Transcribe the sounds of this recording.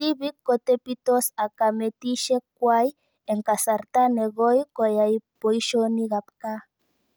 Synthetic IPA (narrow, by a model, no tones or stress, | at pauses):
tiβikːot̪epit̪osakamet̪iʃekwaj | eŋkasaɾt̪aneɣojkɔjaipoiʃoniɣap̚ka